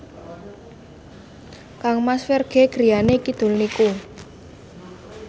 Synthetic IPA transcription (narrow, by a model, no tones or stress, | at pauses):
kaŋmasferɡ̥e̤ɡ̥ɾijanekid̪̥ṳlniku